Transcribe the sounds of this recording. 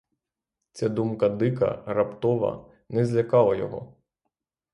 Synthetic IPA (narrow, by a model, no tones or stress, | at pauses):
t͡s̪ʲɛd̪umkɐd̪ɪkɐ̰rɐpt̪ɔʋɐ̰ | nɛzʲlʲɐkɑlˠɐjɔ̰ɦɔ̰